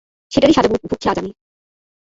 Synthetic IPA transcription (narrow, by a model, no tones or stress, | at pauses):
ʃeʈaɾiʃad͡ʑabubʱukʰːiad͡ʑami